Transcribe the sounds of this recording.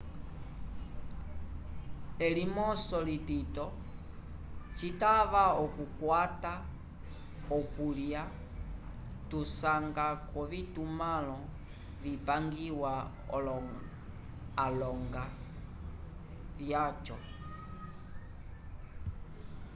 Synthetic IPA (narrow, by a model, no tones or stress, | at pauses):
ɛlimɔsɔlititɔ | t͡ʃitaβaɔkukwata | ɔkulja | tusaŋɡakɔvitumalɔ | vipaŋɡiwa | ɔlɔ | lɔŋɡa | vjat͡ʃɔ